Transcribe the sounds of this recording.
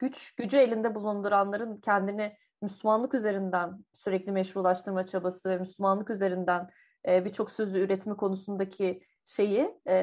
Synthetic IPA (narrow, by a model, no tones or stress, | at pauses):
ɟ̥yt͡ʃɟ̥yd͡ʒye̞lʲind̪ɛbulˠund̪uɾanlˠaɾɯncʰɛnd̪inɛ | myslʲˠumanlˠɯkyze̞ɾind̪ænsyɾɛclʲimɛʃvuɾlˠaʃt̪ʰɯɾmat͡ʃʰabasɯvɛmyslʲumanlˠɯkyze̞ɾind̪æn | ɛːbit͡ʃʰo̞ksøzyyɾɛt̪mɛkʰo̞nusund̪acʰi | ʃe̞jɪː